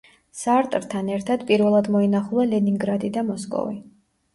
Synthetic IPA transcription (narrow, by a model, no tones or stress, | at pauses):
saɾt̪ʼɾt̪ʰanɛɾt̪ʰad̪̥pʼiɾvɛlˠad̪mɔinaχulˠalɛniŋɡɾad̪id̪amɔskʼɔ̰vi